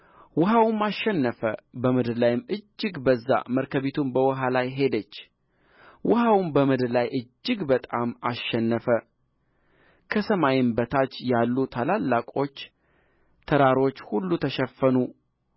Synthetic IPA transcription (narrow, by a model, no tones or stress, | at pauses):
wɔɦawmːaʃːɛnːəfəbəmɨd̪ɾlajɪmɨd͡ʒːɨɡbəzːa̰məɾkʰəβit̪ʰumbəwɔɦalajɦe̞d̪ət͡ʃː | wɔhawmbəmɨd̪ɾlajʔɨd͡ʒːɪɡbət̪ʼamaʃːɛnːəfə | kʰəsəmajɪmbət̪ʰat͡ʃːjalːut̪ʰalalːakʼo̞t͡ʃː | t̪ʰəɾaɾo̞t͡ʃːhulːut̪ʰəʃəfːənu